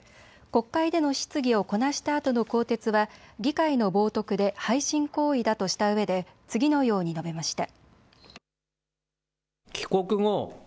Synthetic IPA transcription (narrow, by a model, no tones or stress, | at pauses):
ko̞kːaid̪e̞no̞ɕi̥t͡sɨɡʲio̞ko̞naɕi̥t̪aːt̪o̞no̞ko̞ːt̪e̞t͡sɨβaɡʲikaino̞bo̞ːt̪o̞kɯ̟d̪e̞haiɕĩŋko̞ːid̪at̪o̞ɕi̥t̪aɯ̟βe̞d̪e̞t͡sɨɡʲino̞jo̞ːɲ̟ino̞be̞maɕi̥t̪a | kʲi̥ko̞kɯ̟ŋo